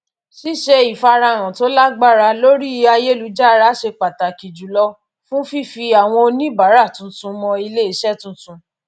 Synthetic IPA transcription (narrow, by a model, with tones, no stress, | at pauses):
ʃi˦ʃe˧i˨fa˧ɾa˧˨ɾ̃ã˨to˨˦la˦ɡ͡ba˦˨ɾa˧lo˦ɾi˦˧a˧je˦˨lu˨˦d͡ʒa˦˨˦ɾa˨˦ʃe˧k͡pa˨ta˨ki˨d͡ʒu˨lɔ˧˦ | fũ˦fi˦fi˧a˨w̃ɔ̃˧o˧nĩ˦ba˨˦ɾa˦˨tũ˨˦tũ˧mɔ̃˧i˧le˦i˧˦ʃɛ˦˨tũ˧tũ˧